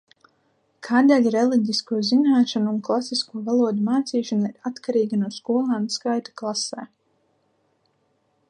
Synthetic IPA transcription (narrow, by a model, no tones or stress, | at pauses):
kʰaːd̪ɛlʲɾɛlˠiɟ̪ʲiskuɔzinaːʃanuːnklˠasiskuɔvalˠuɔd̪umaːt̪siːʃanaiɾat̪kaɾiːɡanuɔskuɔlˠaːnskajt̪ḁklˠasɛː